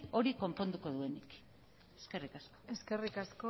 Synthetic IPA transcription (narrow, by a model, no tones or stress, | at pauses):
o̞ɾiko̞mpo̞nd̪uko̞ðue̞nik | eske̞rikasko̥eske̞rikasko